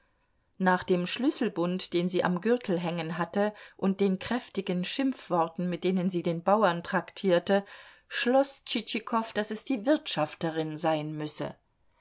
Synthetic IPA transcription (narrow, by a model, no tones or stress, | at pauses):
naːχd̥eːmʃlʏsl̩bʊntd̥eːnziːʔa̰mɡʏʁtʰl̩ɦɛŋənɦatəʔʊnt̚d̥eːnkʁ̥ɛftɪɡənʃɪmfv̥ɔɐtn̩mɪt̚d̥eːnənziːdeːnbaʊɐntʁ̥aktʰiːɐtə | ʃlɔst͡ʃit͡ʃikʰɔfd̥asɛsd̥iːvɪɐtʃaftəʁɪnzaɪnmʏsə̰